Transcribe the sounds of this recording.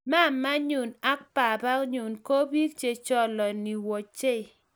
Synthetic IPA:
ma˦˨ma˦ɲu˨na˦k̚pa˨ba˦kɲu˨nko˦bi˦k̚t͡ʃe˨t͡ʃɔ˦lɔ˨ni˨wɔ˨t͡ʃe˦˨

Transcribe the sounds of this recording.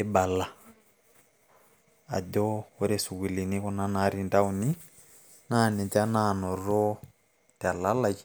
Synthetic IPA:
e˦ba˨la˦ | a̰˨dɔ˦ɔ˦ɾe˦su˨ki˨li˨ni˦kɔ˦na˦naɾi˦nda˦u˨ni˦ | na˦˨ni˨ta˦na˨nɔ˨rɔ˦ | ta˨la˦la˨ki

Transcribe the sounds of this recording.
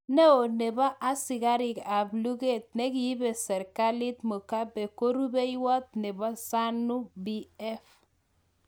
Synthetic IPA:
nɛ˦o˨nɛ˨ba˦ʔa˦si˨ɡa˦ɾɪ˨ka˨blu˦ɡe˦˨t̪̚nɛ˦ki˨ji˦be˨sɛ˨ɾka˦li˦t̪mo˨ka˦bɛ˨ko˦ɾu˦be˦i˦wɔ˦t̪̚nɛ˨ba˦sa˦nu˦bi˦ɛ˦f

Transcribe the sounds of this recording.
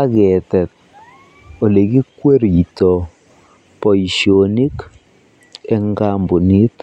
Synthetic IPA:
a˦kɛ˨tɛ˨t̚ | o˨le˨ɡi˦kwe˦ɾi˨tɔ˨ | pɔ˨i˨ʃio˨ni˦k | ɛ˦ŋɡa˦mbu˨ni˦t

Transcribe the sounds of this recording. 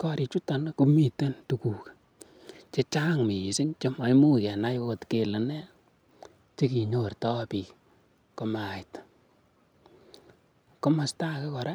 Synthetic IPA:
kɔ˦ɾi˨t͡ʃu˦ta˨nku˦mi˦˨te˦ntu˨ku˨k | t͡ʃe˦t͡ʃa˦ŋmi˨ji˨si˦nt͡ʃe˦ma˨jmu˦kɛ˨na˦jko˨tke˨lɨ˨ne˦ | t͡ʃe˦ki˨ɲo˦˨rtɔ˦pi˨k | ko˦ma˨t | ko˦ma˨sta˦ke˦kɔ˨ɾa˦

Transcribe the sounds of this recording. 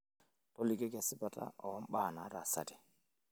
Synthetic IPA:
tɔ˦li˨ɡe˦ɡa˨sɪ˦ba˨ta̰˦ɔ˨˦m̩˦ɓa˦˨na˨˦ɾa˨sa̰˨di˨

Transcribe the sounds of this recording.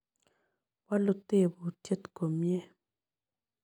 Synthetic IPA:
wa˦lʊ˦t̪e˦˨bo˨tje˦t̪ko˨mje˦

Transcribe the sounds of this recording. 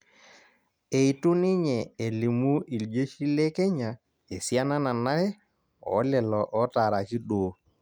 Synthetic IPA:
e˨i˨tu˦nɪ˦ɲɛ˨e˨li˨mu˦ʔi˨ld͡ʒe˦ʃi˦le˦kɛ˦ɲa˨ | e˨si˦a˦na˦na˨na˦ɛ˦ | ɔ̰˨˦lɛ˨lɔ˨ʔɔ˦ta˨ɾa˨ki˦ɗoː˨˦

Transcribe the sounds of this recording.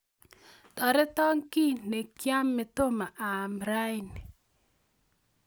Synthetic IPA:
t̪ɔ˨ɾe˦t̪ɔ˦ŋki˦ne˨kja˦mːe˨t̪o˦ma˨ʔa˨mɾa˦jni˨

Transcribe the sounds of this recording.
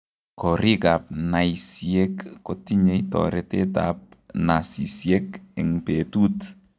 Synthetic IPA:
kɔ˨ɾi˦ka˨p̚na˨isie˦kːo˦ti˦ɲe˦jtɔ̰ɾete˦ta̰p̚na˨si˨sie˦kɪ˨ŋpe˨tu˦t

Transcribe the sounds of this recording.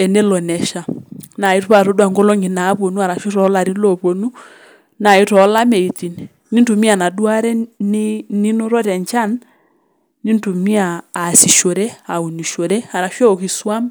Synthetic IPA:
ɛ˨ne˦lɔ˨nɛ˨ʃa˨na˨i˦twa˦˨ɾo˦dwa˨ŋɡo˦lo˦ŋi˨na˨˦po˨nu˦a˨ɾa˨ʃi˦ɾɔ˨˦la˨ɾi˦lo˨po˨nu˦ | na˨i˦tɔ˨˦la˦me˨i˨ti˨n˨ | nːi˦ntu˨mi˦a˨na˨dwa˦ɾɛ˦ni˦ni˦no˦ɾɔ˦ɾɛ˨ɲt͡ʃa˦˨n | ni˦ntu˨mi˦aː˨si˨ʃo˨ɾɛ˦a˨u˨ni˨ʃo˨ɾɛ˦a˨ɾa˨ʃwɛ˦o˨ki˨swa˦m

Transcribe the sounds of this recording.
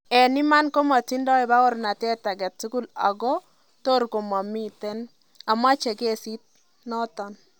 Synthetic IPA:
ɛ˨ni˦ma˦nko˦ma˨ti˦ndɔ˦e˨ba˦ɔ˦ɾna˨tɛ˦ta˨ɡɛ˨tsu˦ku˦la̰˨ɡɔ˦ | to˦ɾko˨ma˨mi˦tɛ˦n | a˨ma˦t͡ʃe˨ɡe˦˨si˦t̚ | nɔ˦tɔ˨n

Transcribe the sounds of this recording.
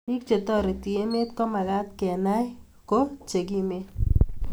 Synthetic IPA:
i˦k̚t͡ʃe˨t̪ɔ˦ɾi˨t̪i˨e˦me˦t̪kɔ˦ma˨ɡa˦t̪kɛ˨na˦j | ko˦t͡ʃe˨ɡ̬i˦me˦

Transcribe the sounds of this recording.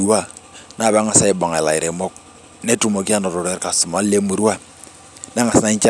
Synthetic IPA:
wa˦ | na˦˨βa˦ŋa˨sa˦i˨ba˨ŋa˨e˨la˨i˨ɾe˨mɔ˦k̚ | ne˦tu˨mo˨ki˦a˦nɔ˨ɾo˨ɾe˦ɾka˨su˨ma˨˦le˦mu˨ɾu˦wa˦ | na˦ŋa˨sna˦ɲt͡ʃa˦

